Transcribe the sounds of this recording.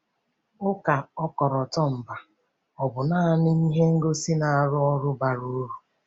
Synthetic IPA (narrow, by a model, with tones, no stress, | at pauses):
ʊ˦ka˨ɔ˦kɔ˨ɾɔ˨tɔ˦m̩˨ba˨ | ɔ˨bʊ˨naː˦˨nɪ˦i˦ɦe˦ŋ̩˦ɡo˦si˦na˨a˨ɾʊ˦ɔ˦ɾʊ˦ba˨ɾu˦ɾu˨